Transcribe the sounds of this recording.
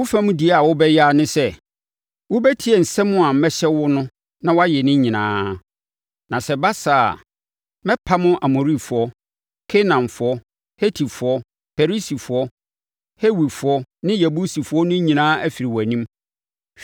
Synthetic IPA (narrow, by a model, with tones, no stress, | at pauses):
wʊ˦fæ̃˦mʊ̃˦di˨a˨wʊ˦bɛ˦ja˦˨nʊ̃˦sɛ˦ | wʊ˦bɛ˦tʰi˦ɛ˨n̩˨sɛ˦mʊ̃˦a˨m̩˨mɛ˦ɕɛ˦wʊ˦nʊ̃˦ | nã˦wa˦jɛ˨nɪ̃˦ɲĩ˨nãː˦ | nã˨sɛ˨ba˦saː˨a̰˨ | mɛ̃˦pʰa˦mʊ̃˦ʔa˨mo˨ɾi˦˨fʊ˨ɔ˦ | kʰe˦nã˨mfʊ˨˦ɔ˦ | he˦tʰi˨fʊ˨ɔ˦ | fe˨ɾi˦si˨fʊ˨ɔ˦ | he˦wi˨fʊ˨ɔ˦nɪ̃˦ja˨bu˦si˨fʊ˨˦ɔ˦nʊ̃˦ɲĩ˨nãː˦æ˦fi˨ɾi˨wæ˨nĩ˦m